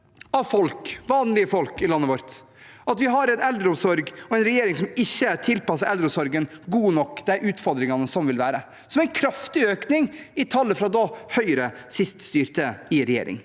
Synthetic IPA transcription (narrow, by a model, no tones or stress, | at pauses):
ɑfɔlkʋɑːnlɪəfɔlkɪlɑnːəʋɔɾt̪ | ɑt̪ʋɪɦɑɾɛɪnɛld̪ɾəɔmsɔɾɡɔɛɪnɾɛjeːɾɪŋsɔmɪçːət̪ʰɪlpɑsəɾʔɛld̪ɾɔsɔɾɡənɡuːnɔkːd̪æɪʔʉːt̪fɔɾd̪ɾɪŋɑnəsɔmʋɪlʋæːɾə | sɔmæɪnkʰɾɑft̪ɪøːknɪŋɪt̪ʰɑlːəfɾɑːd̪oːhœʏɾəsɪst̪st̪yːɾt̪əɪɾɛjḛːɾɪ̰ŋ